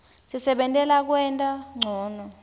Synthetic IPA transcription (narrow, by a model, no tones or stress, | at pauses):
sisɛɓɛntʼɛlak̬wɛntʼaŋ͡ǀʱɔːnɔ